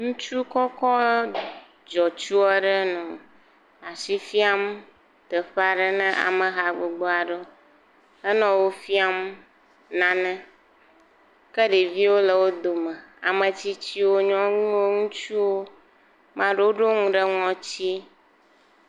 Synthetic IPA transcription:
ŋũ˦t͡ʃu˦kɔ˦kɔ˦ | d͡ʒɔ˨t͡ʃu˦ɛ˦ɖə˦nũ˨ | a˨si˦fi˦a˦m | t̪ə˨ɸa˨ɖə˦nɛ̃˦ʔa̰˨mə̃˨ɦa˨ɡ͡bo˨ɡ͡bo˦a˨ɖo˦ | ə˦nɔ̃˨wo˦fi˦a˦m | nã˨nɛ̃˦ | kə˦ɖe˨vi˦wo˦lə˨wo˦d̪o˨mə̃˨a˨mə̃˨t͡ɕi˦t͡ɕi˦wo˦ɲɔ̃˦ŋũ˦wo˦ŋũ˦t͡ʃu˦wo˦ | mã˨ɖə˦wo˦ɖo˦ŋũ˦ɖə˦ŋɔ̃˨t͡ɕi˦

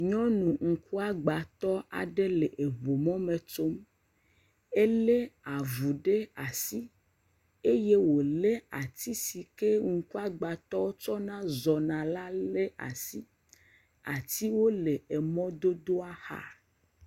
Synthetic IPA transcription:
ɲɔ̃˦nũ˨ŋ̩˨ku˦a˦ɡ͡ba˨t̪ɔ˦a̰˨ɖe˦le˨ʔe˨βo˨mɔ̃˦mẽ˨t͡ʃo˦m | e˦le˦a˨vu˨ɖe˦a˨si˦ | e˦je˦wo˨le˦a̰˨t̪i˦si˨ke˦ŋ̩˨ku˦a˦ɡ͡ba˨t̪ɔ˦wo˦t͡ʃɔ˦nã˦zɔ˨nã˨la˦le˦a̰˨si˦ | a̰˨t̪i˦wo˦le˨e˨mɔ̃˦d̪o˦d̪o˦a˦xa̰˨

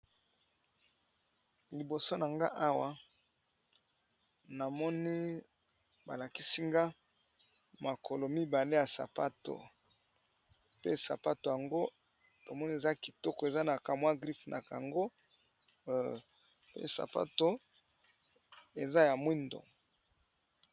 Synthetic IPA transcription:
li˨bo˨so˦na˨ŋɡa̰˦ʔa˦wa˦ | na˨mɔ˦ni˦ | ba̰˨la˨ki˦si˦ŋɡa˦ | ma˨kʰo˨lo˨mi˦ba˨le˦ja˨sa̰˨pa˦to̰˨ | pḛ˦sa̰˨pa˦to˨ja˨ŋɡo˦ | to˨mɔ˦ni˦e˨za˦ki˨tɔ˦kɔ˨e˨za˦na˨ka˨mwa˦ɡʁi˦fnʔa̰˨ka˨a˨ŋɡo˦ | pḛ˦sa̰˨pa̰˦to˦ | e˨za˦ja˨mwi˦ndo̰˨

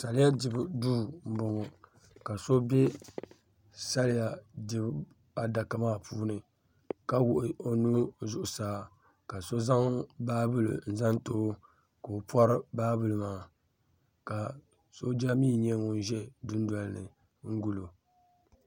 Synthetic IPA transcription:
sa˨lɪ˦ja˦dɪ˨bduː˦m̩˦bʊ˨ŋo˨ | ka˨so˦bɛ˦ | sa˦lɪ˦ja˨dɪ˦b | a˨da˨ka˨maː˦pʰuː˦nɨ˨ | ka˦wʊ˨ʔɪ˨o˨nu˦zʊ˦ʔʊ˨saː˦ | ka˨so˦za˦ŋ˦baː˦bɨ˦lɨ̰˨n̩˨za˦nto˦ | ka˨o˨pɔ˦ɾɨ˦baː˦bɨ˨lɨ˨maː˨˦˨ | ka˨ | so˦d͡ʒa˦miː˦ɲɛ˦ŋo˨n˦ʒɛ˦dʊ˦n˦da˨lnɨ̰˨ | ŋ̩˦ɡu˦˨lo˨

